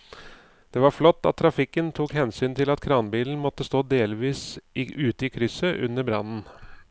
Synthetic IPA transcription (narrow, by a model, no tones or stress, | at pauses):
d̪̥ɛʋɑɾflɔt̪ːɑ̰t̪ʰːɾɑfɪkːənt̪ʰuːkhɛnsyːnt̪ʰɪlɑt̪kʰɾɑːnbiːln̩mɔt̪ːəst̪oːd̪eːlʋiːsʉːt̪əɪkʰɾʏsəʔʉ̰nːəɾbɾɑ̰nn̩